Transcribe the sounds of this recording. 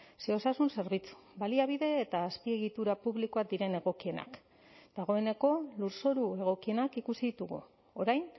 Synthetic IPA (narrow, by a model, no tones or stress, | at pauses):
seo̞sasunse̞ɾβit͡su̥baliaβ̞iðe̞ːt̪aːspie̞ɣit̪uɾapuβliko̞ad̪iɾe̞ne̞ɣo̞kie̞na̰k | d̪̥aɣ̞o̞e̞ne̞ko̞luɾso̞ɾue̞ɣ̞o̞kie̞nakikusiðit̪uɣṵ | oɾajn